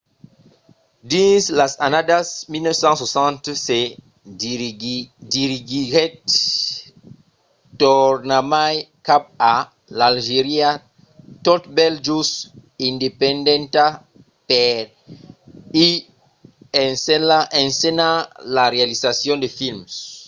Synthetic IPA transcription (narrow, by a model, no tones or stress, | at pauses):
dĩslasanadasmilnɔfsãnswosãnt̪se | diɾiɡiɣɛt | tɔɾnamajkap̚a | lalʒeɾia | t̪ot̪bɛld͡ʒusindepɛ̃ndɛ̃nt̪a | pɛɾ | i | saẽnsenalaɾealizasjɔ̃nd̪efilms